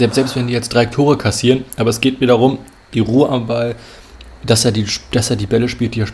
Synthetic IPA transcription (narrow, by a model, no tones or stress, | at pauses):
zɛlpstz̥ɛlpstv̥ɛndiːjɛt͡std̥ʁaɪtʰoːʁəkʰasiːʁənʔaːbɐɛsɡ̥eːtviːdɐʁʊm | d̥iːʁuːəʔambal | d̥aseːɐdid̥aseːɐdiːbɛləʃpiːlt̚d̥iːɛɐ